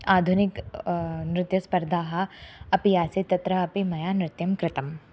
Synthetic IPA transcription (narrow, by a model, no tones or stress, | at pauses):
aːd̪ʱunɪk | nɾɪt̪juspɐɾd̪ʱaːɦɐɐpijaːset̪ɐt̪ɾɐɐpimɐjaːnɾɪt̪jɐmkɾɪt̪ɐm